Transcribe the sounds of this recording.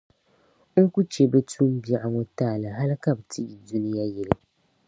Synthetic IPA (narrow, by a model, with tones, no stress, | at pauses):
ŋ̩˦ku˦t͡ʃe˨be˦tuː˦m̩˦bi˦a˦˨ʔa˨ŋo˦taː˦˨la˨ɦa˦lka˨bɨ˨tʰi˦ʔi˨du˦nɪ˦ja˦jɛ˨lɨ˨